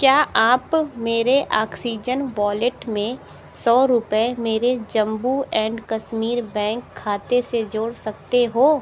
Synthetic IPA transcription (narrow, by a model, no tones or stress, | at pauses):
kjaːʔaːpmeːɾeʔaːksiːd͡ʒənʋɔːlɪʈmẽ | sɔːɾʊpemeːɾed͡ʒɐ̃mbuɛ̃ːɳɖkɐʃmiːɾbɛ̃ːŋkʰːaːt̪esed͡ʒoːɽsɐk̚t̪eɦoː